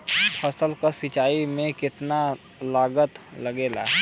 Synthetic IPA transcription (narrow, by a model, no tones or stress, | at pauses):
pʰɐsəlkasɪt͡ʃaːimẽkɪt̪na | laːɡət̪lɐɡeːla̰ː